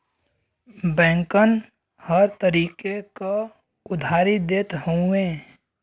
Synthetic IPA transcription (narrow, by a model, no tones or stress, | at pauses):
bɛ̃ːŋkən | həɾt̪əɾiːkeka | ʊd̪ʱaːɾid̪eːt̪ɦõẽː